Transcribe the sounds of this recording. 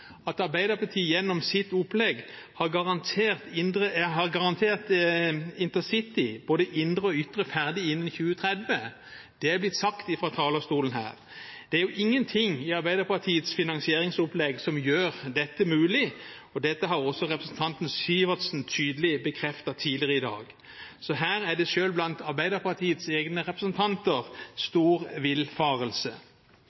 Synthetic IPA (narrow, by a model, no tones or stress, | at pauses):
ɑt̪ɑɾbæɪd̪əpʰɑt̪ʰiːəjɛnːɔmsɪt̪ʊplɛɡ | hɑɾɡɑʁɑnt̪ʰeːʁt̪ɪnd̪ɾəɦɑʁɡɑʁɑnt̪ʰeːʁt̪ | ɪnt̪əsɪt̪ɪboːd̪əʔɪnd̪ʁəɔʏt̪ʁəfæʁd̪ɪɪnːənçʉːət̪ʰʁɛd̪ʋə | d̪̥ɛæblɪt̪ːsɑkt̪ɪfɾɑːt̪ʰɑːləst̪uːln̩hæ̰ːʁ | d̪̥ɛæɾjʊʔɪŋːənt̪ʰɪŋɪɑʁbæɪd̪əpɑt̪ʰiːət̪sfɪnɑŋsɪeːʁɪŋsʊplɛɡsɔmjøːʁd̪ɛt̪ːəmʉːlɪɔd̪ɛt̪ːəɦɑʁɔsːɔʁɛpʁəsn̩t̪ʰɑnt̪n̩syːʋɑt̪sn̩t̪ʰyːd̪əlɪbəkʰʁɛft̪ɑt̪ʰiːlɪʁəɪd̪ɑ̰ːɡ | sɔɦæːʁæɖ̪ɛʃøːlblɑnt̪ɑʁbæɪd̪əʁpɑt̪ʰiːət̪seːɡnəʁɛpɾəsnt̪ʰɑnt̪əʁst̪uːʁʋɪlfɑːʁəlsə